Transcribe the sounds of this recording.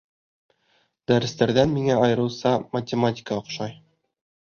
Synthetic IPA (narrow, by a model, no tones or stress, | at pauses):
d̪æɾɘ̆st̪æɾðænmiŋæɒjɤ̆ɾɤ̆wsɑmɐtʲɪmatʲɪ̥kəŏqʃɑj